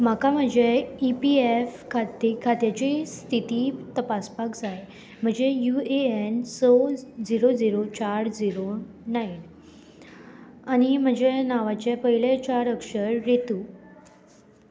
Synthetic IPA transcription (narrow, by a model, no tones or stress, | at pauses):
m̤akam̤əd͡ʑeipiefkʰat̪ikʰat̪jat͡ɕist̪ʰit̪iːt̪əpaspakd͡zaj | m̤əɳd͡ʑejueensɔd͡ziɾod͡ziɾot͡ɕaɾd͡ziɾo | nain | añim̤əd͡ʑenaʋat͡ɕepəɦilet͡ɕaɾəkʂəɾːet̪u